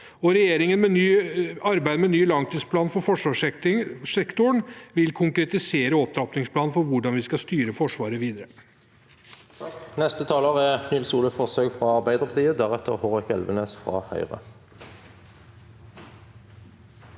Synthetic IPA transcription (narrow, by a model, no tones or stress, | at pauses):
ɔɾɛjeːɾɪŋənmɛnyːɑɾbæɪd̪əmɛnyːlɑŋt̪ʰiːspʰlɑːnfɔɾfɔʂʋɑːʂʂɛkt̪ʊɳʋɪlkʰʊŋkɾɛt̪ɪseːɾəɔp̚d̪ɾɑpnɪŋspʰlɑːnfɔɾʋʊɖɑnʋɪskɑst̪yːɾəfɔʂʋɑːɾəʋiːd̪əɾə | nɛst̪ət̪ʰɑːloːʁænʏlsuːləfɔʁsøːɡfʁɑːɑʁbæɪd̪əʁpɑt̪ʰiːəd̪æʁɛt̪ʰə̰ʁhoːʁɪkɛlʋəneːsfʁɑ̰ːhœ̰ʏʁə̰